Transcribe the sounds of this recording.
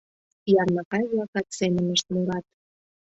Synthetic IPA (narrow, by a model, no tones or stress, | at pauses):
jɑrnəkɑjβlɑkɑt̪semənə̆ʃt̪muɾɑt̪